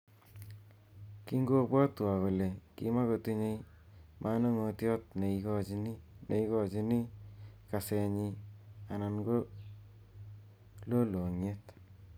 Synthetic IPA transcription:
ki˦ŋɡo˦bwɔ˦twa˨ko˨le˨kḭ˦ma˦ko˨tu˦ɲe˦j | mʔa˦no˦ŋo˧tjɔː˦t̚ne˨i˨kɔ˦d͡ʒini˦ne˨i˦kɔ˨t͡ʃi˦ni˦ka˨se˨ɲi˧a˨na˨nɡo˦ | lo˦lo˨ŋe˦t

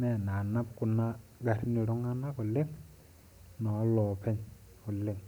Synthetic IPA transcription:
mɛ˨na˨na˦pku˨na˦ɡa˨ɾi˦ni˨ɾɔ˦ŋa˦na˦kɔ˨le˦ŋ | nɔ˨˦lɔ˨pɛ˦ɲ | ku˨le˦ŋ

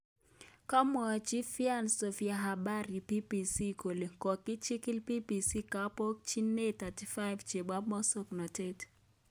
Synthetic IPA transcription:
ka˦mɔ˨t͡ʃi˦fi˦a˦nso˨fi˨a˨ɦa˨ba˦ɾi˨pi˦pi˨si˦ko˨le˨kɔ˨kːɪ˦t͡ʃi˦kɪ˦lpi˦pi˨si˦ka˦po˦k̚t͡ʃi˦nːe˦t̪a˨ti˨fa˦ɪvt͡ʃe˨ba˦mɔ˦so˦knɔ˨te˦t

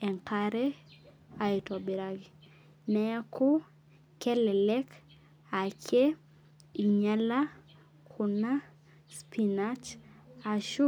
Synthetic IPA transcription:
ɛ˨ŋka˦ɾɛ˦ | a˨i˨tɔ˨bɪ˨ɾa˦ɡɪ˨ | nɛ˨a˦kʊ˦ | kɛ˦lɛ˨lɛ˦k | a˨ke˦ | i˨ɲa˦la˦ | kʰʊ˨na˦ | spʰi˨na˦t͡ʃa˨ʃʊ˦

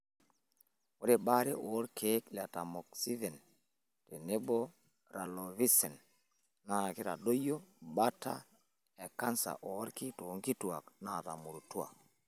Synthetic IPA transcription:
o˦ɾe˦ɓa˦ɾe˦ʔoː˨˦ɾkʰe˨˦kla˨ta˨mo˨k̚si˦ve˨n | te˨ne˦bo˦ | ɾa˨lo˨vi˦se˨n | na˦˨ki˦ɾa˨do˦jo˦ba˦ta̰˦ | e˨ka˦nsa̰˨ʔo˨˦ɾki˦to˨˦ŋki˦tu˨a̰˨kna˦˨ta̰˨mu˨ɾu˨tu˦a̰˨

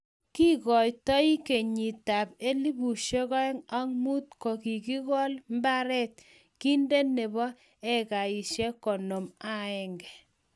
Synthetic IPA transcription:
ki˦kɔ˨jtɔ˦i˦ke˨ɲi˨ta˨pe˦li˦bu˨ʃe˦kɔ˦ɛ˦ŋa˦ŋmu˦t̚kɔ˨ki˨ki˦ɣɔ˦lmba˦ɾɛ˦t̚ | ki˦nde˦ne˨bɔ˦ | e˦ka˨i˨ʃje˦kɔ˨no˨ma˦ɛ˨ŋɡɛ˨

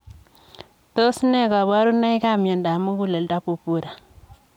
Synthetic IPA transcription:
to˦sne˦ka˨βa˦ɾu˦na˦i˦ka˦mje˨nda˨mu˦ku˦˨le˨lda˦pu˨pu˦ɾa˨

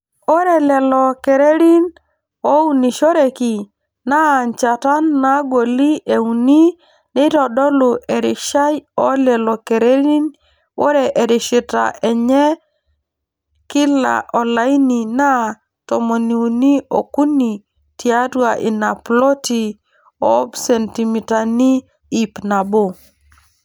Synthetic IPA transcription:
o˦ɾɛ˨lɛ˨lɔ˨kɛ˨ɾe˦ɾi˦n | o˦u˦ni˨ʃo˦ɾe˨ki˨ | na˦˨ɲt͡ʃa˨ta˦nːa˦ɡo˨li˦ʔe˨u˨ni˦ | ni˦tɔ˨dɔ˦lʊ˨ʔe˨ɾɪ˨ʃa˦jɔ˦lɛ˨lɔ˨kɛ˨ɾe˦ɾi˦n | wo̰˦ɾɛ˨ʔe˨ɾɪ˨ʃi˨ta̰˨ʔɛ˨ɲɛ˦ | kɪ˦la̰˨ʔɔ˨la˦i˦ni˨na˦ | tɔ˨mo˨ni˨u˨ni˦o̰˨ku˦ni˨ | tia˦dwa˨ʔi˨na˨plɔ˦ti˨ | ɔ˦bsɛ˨nti˨mi˨ta˨ni˦ | i˨pna˨bo˦˨

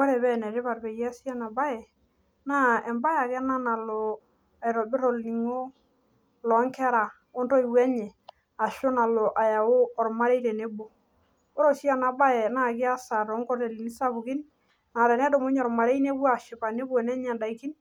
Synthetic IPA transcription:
ɔ˦ɾɛ˨βɛ˦nɛ˨ɾɪ˦βa˨ɾpe˨jɛ˦si˦a˦na˨ba˦ɛ˨ | na˦ɛ˨mba˦ja˨kɛ˦na˦na˨lo˨ | a˨jɾɔ˨bɪ˦ɾɔ˨lni˨ŋo˦ | lɔ˨˦ŋkɛ˦ɾa˨ | ɔ˦ndɔ˦i˨wɛ˦ɲɛ˨ | a˨ʃʊ˦na˨lɔ˨ʔa˨ja˨ʊ˦ɔ˨ɾma˦ɾe˦iɾɛ˨ne˦bo˨ | o˦ɾɔ˦˨si˦a˨na˨ba˦jɛ˨na˦˨kɪ˦a˦sa˨ɾɔ˨˦ŋkɔ˦rte˨li˨ni˦sa˦ku˨kɪ˦n | na˨ɾɛ˨nɛ˦do˨mo˦ɲɔ˨ɾma˨ɾe˦ine˦bwa˨ʃɪ˨pa˨ne˦bo˨nɛ˦ɲa˨nda˨i˨ki˦n

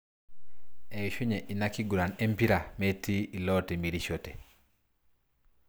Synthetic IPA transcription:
ɛ˨ʃu˦ɲe˨ʔi˨na˦ki˦ɡu˨ɾa˨nɛ˦mpi˦ɾa˨me˦ti˦i˨lɔ˦te˨mi˨ɾiʃote˨

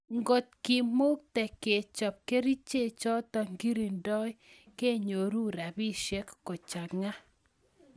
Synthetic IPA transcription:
ŋɡo˨t̪̚ki˨mo˦k̚tɛ˨ke˨t͡ʃɔ˨p̚ke˦ɾi˦t͡ʃe˦˨t͡ʃɔ˦tɔ˨ŋɡi˦ɾi˨ndɔ˦j | ke˦ɲo˨ɾu˦ɾa˨bi˦ʃɛ˦kːo˨t͡ʃa˨ŋa˦

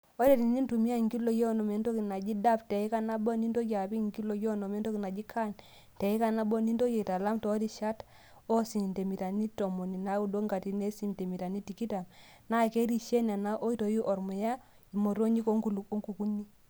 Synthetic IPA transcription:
ɔ˦ɾe˦˨ti˨ni˦n˦tu˨mi˦a˦˨ŋɡi˦lo˨jɔ˦nɔ˨me˨nto˦ki˨na˨d͡ʒi˦da˦ptɛ˨i˦ka˦na˦bɔ˦ni˦nto˦ki˨a˨pi˦˨ŋki˦lo˨jɔ˦nɔ˨me˦n˦to˦ki˨na˨d͡ʒi˦kʰa˦˨n | tɛ˨i˦ka˨na˦bɔ˦ni˦ndo˦ke˨ta˨la˦mtɔ˨˦ɾi˦ʃa˦t | ɔ˦si˨nte˨mi˨ta˨ni˦to˨mo˨ni˨na˨˦u˦˨do˦ŋɡa˨ti˦ne˦si˨mte˨mi˨ta˨ni˦ti˨ki˦ta˨m | na˦ke˦ɾi˦ʃe˦na˨na˦ʔo˦i˦to˨ji˦ʔɔ˨ɾmɔ˨ja˦ | i˨mo˨ɾo˦ɲi˦ko˦ŋu˦lo˦ŋɡu˨ku˦ɲi˦

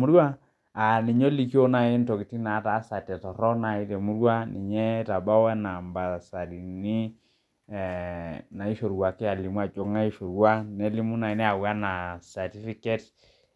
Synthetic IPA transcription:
mu˦ɾwa˦ | a˨ni˨ɲo˦li˨ki˦o˦na˨e˦ntɔ˨ki˨ti˦na˨˦ta˨˦sa˨tɛ˨tɔ˨ɾɔ˦na˨i˦tɛ˨mu˦ɾwa˦ni˨ɲɛ˦ta˨ba˦wɛ˦na˨mba˨sa˨ɾi˨ni˦ | na˨i˦ʃo˨ɾwa˨kɛ˦a˨li˨mwa˨t͡ʃo˦˨ŋa˦i˦ʃo˨ɾwa˦nɛ˦li˦mu˦na˨i˨nɛ˦a˨wa˦na˨sa˨ti˦fi˦kɛ˦t

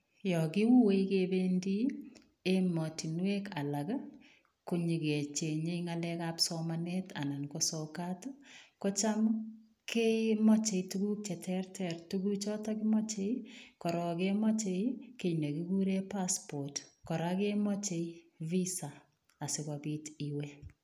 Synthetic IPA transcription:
jɔkɪ˦wu˦we˦ikebendi˦ | emɔ˨ti˨nwe˦ka˨laɡa˦ | ku˨ɲi˨ɡe˨t͡ʃe˨ɲe˦ŋalɛ˦kapsɔmaneta̰˨na˨nkɔsɔkatokɔ˦t͡ʃa˦m | ke˦mɔ˦t͡ʃe˨ituɡu˦k̚t͡ʃɛ˨tʰɛrtʰɛrtuɡu˦t͡ʃɔ˦takɪ˦mɔ˦t͡ʃe˦ikɔ˨ɾɔ˨kemɔ˦t͡ʃe˦ke˨ne˨ki˦ɡuɾe˦paspo˨tkɔ˨ɾake˦mɔ˦t͡ʃei | vi˦saː˨ | sɪkabi˦tiwe

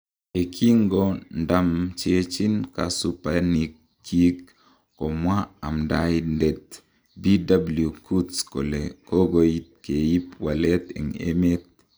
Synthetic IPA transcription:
e˨kʰi˦ŋɡo˦nda˦mt͡ʃe˦t͡ʃi˦nka˨su˦pa˦ni˨kʰː | i˦k | ko˨mwa˦a˨mda˦jnde˨t̪ | bi˦da˦blju˨kʰu˦tsko̰˨le˨ko˦ɡo˦i˦t̪̚ke˨ji˦pwa˨le˦t̪ḛ˨ŋḛ˦me˦t̪̚

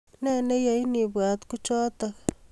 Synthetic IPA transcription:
ne˦ne˦ja˨ini˨βwa˨t̪ku˦t͡ʃɔː˦t̪aɣa

